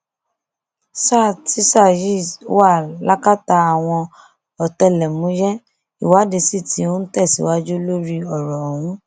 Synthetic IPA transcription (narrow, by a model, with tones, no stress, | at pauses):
sa˦˨ti˦sa˦˨ji˦˨˦wa˦˨la˦ka˦ta˧a˨w̃ɔ̃˧ | ɔ˨tɛ˧˨lɛ˨mũ˨˦jɛ˦ | i˨wa˨˦de˧si˦˨ti˨˦õ˦n̩˦tɛ˦˨sḭ˨˦wa˦d͡ʒo˦lo˦ɾi˧ɔ˨ɾɔ˨w̃ũ˦